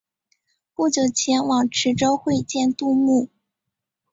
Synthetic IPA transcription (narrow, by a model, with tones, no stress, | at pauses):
pu˥˩t͡ɕjo˨˩ʊt͡ɕʰjɛ˧˥nwɑ˨˩ŋʈ͡ʂʰɻ̩˧˥ʈ͡ʂo˥ʊxwe˥˧ɪt͡ɕjɛ˥˧nt̪u˥˧mu˥˩